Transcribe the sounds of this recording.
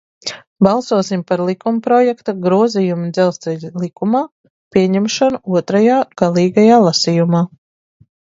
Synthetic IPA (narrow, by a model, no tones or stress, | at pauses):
balˠsuɔsimpaɾlˠikumpɾɔjɛkt̪aɡɾuɔzijumud̪zɛlˠst̪ɛʎilˠikumaː | pʲiɛɲɛmʃanuuɔt̪ɾajaːɡ̥alˠiːɡajaːlˠasijumaː